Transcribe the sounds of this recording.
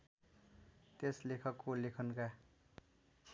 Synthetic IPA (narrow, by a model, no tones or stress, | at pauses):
t̪eslekʰʌkːolekʰʌnka